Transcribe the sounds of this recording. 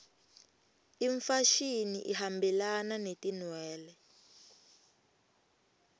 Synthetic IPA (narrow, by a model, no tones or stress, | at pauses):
iɱfaʃiniʔihambɛlananetinwɛːlɛ